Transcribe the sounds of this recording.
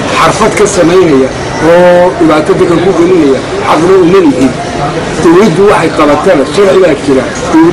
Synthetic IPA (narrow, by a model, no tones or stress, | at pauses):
ħɑrfɐd̪kʰɐsɐmɛjnɐjɐ | ɔːɖɪβaːt̪ʰɐðɐkʰɐkʰʊɡɐlɪnɐjɐ | ħɑqnɐʊmɐnɪɦɪd̪ | d̪̥ɐwlid̪ʊwɑħɑjqɑβɐt̪ʰɐnɐʃɐrħɪβaːt͡ʃʰɪɾɐ | d̪̥ɛ